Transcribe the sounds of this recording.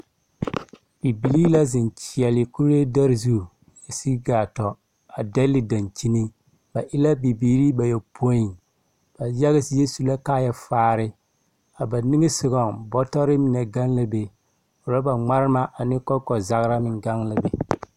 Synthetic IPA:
b̥i˨bi˨liː˦la˦zɪ˨nt͡ʃi˨ɛ˨lɪ˨ku˦ɾje˦da˦ɾzu˦˨ | ja˨si˦ɡaː˨tɔ˨ | a˨dɛ˦lɪ˨da˨nt͡ʃi˦ni˦ | ba˨ʔɪ˦la˦bi˨biː˨ɾi˦ba˨jɛ˨pʰo˦ji˨ | b̥a˨ja˦ɣɪ˦sɪ˦jɛ˦su˨la˦ka˦ja˨faː˦˨ɾɪ˦ | a˨ba˨nɪ˦ŋɪ˦sɪ˨ɣɔ˨ŋbɔ˦tɔ˦ɾɪ˦mɪ˨nɛ˨ɡa˦nla˦be˨ | o˨ɾa˦ba˨ŋ͡ma˦ɾɪ˦ma˦ʔa˨nɪ˦kɔ˦kɔ˨za˦ɣɾa˦mɪ˨ŋɡa˦ŋla˨be˨

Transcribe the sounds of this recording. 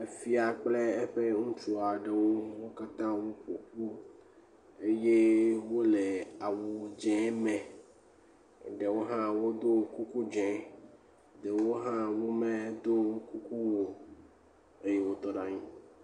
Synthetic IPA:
e˦fi˦a˨k͡ple˦e˦ɸe˦ŋũ˦t͡ʃu˦a˨ɖe˨wo˦wo˦ka˦t̪ã˦wu˦po˨ku˦ | e˦je˦wo˦le˨a˨wu˨d͡ʒɛ̃˦mɛ̃˨ | ɖe˨wo˦ɦã˦wo˦d̪o˦ku˦ku˦d͡ʒɛ̃˨ | ɖe˨wo˦ɦã˦wu˦mẽ˦d̪o˦ŋ˦ku˦ku˦wo˦ | e˦je˨wo˦t̪ɔ˨ɖa˨ɲĩ˦

